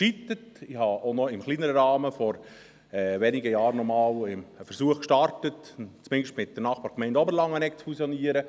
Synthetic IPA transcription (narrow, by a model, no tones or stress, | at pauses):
ʃitətɪhɑʔonɔɪmχliːnəɾəɾɑːməfɔɾ | ɛːʋenɪɡəjɑːɾnɔmɑːləfəɾsuəχkʃtɑɾtətt͡smɪnʃtmɪt̚d̥əɾnɑːχpɑːɾkmɛɪndɔbəɾlɑŋːənɛkt͡sfusjɔniːəɾə